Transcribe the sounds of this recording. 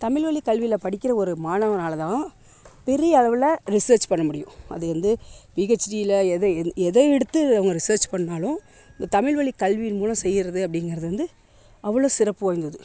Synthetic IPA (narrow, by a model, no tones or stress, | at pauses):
t̪ɐmɪɭʋɐɭikɐlʋɪlɐpɐɽɪkʲːɪɾɐɔɾɯmaːnɐʋɐnaːlɐt̪ãː | pɛɾɪjɐːɭɐʋɪlɐɾɪsɐːɾt͡ʃpɐɳːɐmʊɽɪjʊ̰̃ɐ̰ðɯʋɐnd̪ɯpiːɣɐt͡ʃːʈiɪlɐɛðɐɛðɐɛɽɯt̪ːɯɐʋɐŋɡɐɾɪsɐːɾt͡ʃpɐɳːaːlʊ̃ | ɪnd̪ɐt̪ɐmɪɭʋɐɭikːɐlʋijɪnmuːlɐ̃msɛjːɪɾɐðɯɐpːɽɪŋɡɪɾɐðɯʋɐnd̪ɯ | ɐʋːɐɭoːsɪɾɐpːɯʋaːjɪnd̪ɐðɯ